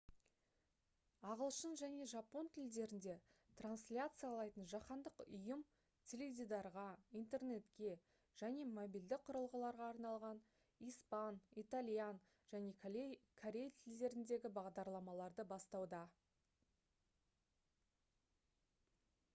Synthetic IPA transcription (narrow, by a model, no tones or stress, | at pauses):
ɑʁəlˠʃənʒæne̞ʒɑpo̞nt̪ʰɪld̪e̞ɾɪnd̪e̞t̪ranslʲat̪sɨjɑlˠɑjt̪ənʒɑqɑnd̪əqʊjəm | t̪ʲʰe̞lʲevd̪ʲid̪ɑɾʁɑijnt̪e̞rne̞t̪kʲe̞ | ʒ̥æne̞mobild̪ɪk̚qʰʊɾəlˠʁəlˠɑɾʁɑːɾnɑlˠʁɑn | ijspɑnit̪alʲjan | ʒ̥æne̞kʰaɾʲe̞jat̪ʰɪld̪e̞ɾɪnd̪e̞ɡʲɪbɑʁd̪ɑɾlˠɑmɑlˠɑɾd̪əbɑst̪ɑwd̪ɑ